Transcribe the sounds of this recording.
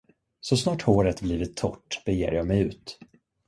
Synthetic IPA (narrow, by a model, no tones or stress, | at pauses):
sɔsnɑːʈhoːɾət̪bliːvɪt̪ʰːɔʈːb̥ɛjḛːɾjɑːɡmɛjʉ̟ːt̪